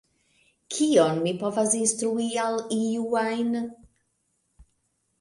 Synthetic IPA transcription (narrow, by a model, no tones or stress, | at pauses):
kʰiɔnmipʰɔvasɪnstɾuialˠijuajn